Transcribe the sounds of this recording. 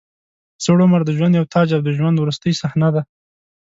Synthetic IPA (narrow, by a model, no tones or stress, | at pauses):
soɽʊmaɾd̪əʒwand̪jawt̪ʰɑd͡ʒad̪əʒwand̪wɾust̪əjsahnad̪a